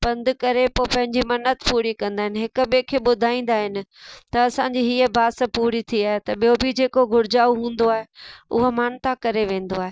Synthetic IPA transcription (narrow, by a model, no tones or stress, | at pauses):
bɐ̃nd̪ʊkɐɾepoːpɐ̃ɦɪ̃ɲd͡ʑimɐnət̪puːɾikɐ̃nd̪aːɦɪnɪ̆ɦɪkʊ̆ɓekʰeːɓʊd̪ʱaːĩːn̆d̪aːɦɪnɪ̆t̪ɐɐsãɲd͡ʑiɦiːəbʱaːsəpuːɾit̪ʰiaːɦet̪ɐɓijobɪd͡ʑeːkoɡʱʊɾd͡ʑaːuɦũːnd̪oaːɦeʊ̰ɦomaːnt̪akɐɾeʋẽːn̆d̪oaːɦe